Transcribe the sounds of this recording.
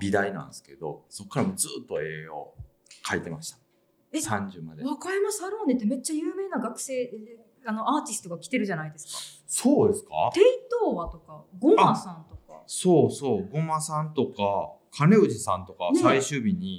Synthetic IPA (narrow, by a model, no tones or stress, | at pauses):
bʲid̪ainã̰nd̪esɨ̥ke̞d̪o̞̰so̞kːaɾamo̞d͡zɨːt̪ːo̞eːo̞̰ | kʰait̪e̞maɕi̥t̪ḁ | esãɲd͡ʑɨmad̪eβakaɾimasɨaɾoːnet̪ːeme̞t͡ɕːajɯ̟ːme̞ːnaɡakɯ̟̥se̞ː | ano̞aːt̪ʲisɨ̥t̪o̞ɡakʲi̥t̪e̞ɾɯ̟ʑanaid̪e̞sɨ̥kkḁ | so̞ːd̪e̞sɨ̥ka̰t̪eit̪oːβat̪o̞kaɡomasãnt̪o̞ka̰soːso̞ːɡo̞masãnt̪o̞kakʰane̞ɯ̟ʑisãnt̪o̞kasaiɕɨːbʲiɲ̟i